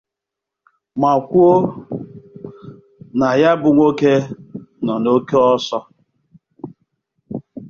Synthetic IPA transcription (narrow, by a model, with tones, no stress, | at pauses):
ma˨kʷu˦o˦ | na˨ja˦bʊ˨ŋʷo˦ke˦nɔ˨no˦ke˦ɔ˦sɔ˦